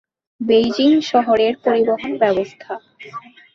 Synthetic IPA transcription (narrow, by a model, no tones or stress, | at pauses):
bejd͡ʑiŋʃɔɦoɾeɾpoɾiboɦonbɛbost̪ʰa